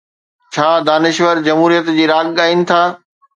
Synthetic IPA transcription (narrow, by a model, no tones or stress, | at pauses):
t͡ɕʰaːd̪aːnɪʃʋəɾd͡ʑɐmɦuːɾijət̪d͡ʑiːɾaːɡɠaːinɪ̆t̪ʰaː